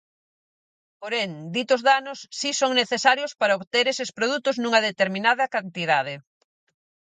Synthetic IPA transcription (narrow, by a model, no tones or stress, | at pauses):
poɾeŋd̪it̪ozðanʊsːisoŋneθesaɾjospaɾɐoβt̪eɾesespɾoðut̪ʊznũŋɐðet̪eɾmĩnaðɐkant̪iðaðe